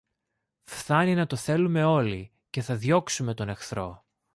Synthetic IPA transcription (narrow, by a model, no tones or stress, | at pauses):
fθɐninɐt̪o̞θe̞lume̞o̞li | ceθɐðʝo̞ksume̞t̪o̞ne̞xθɾo̞̰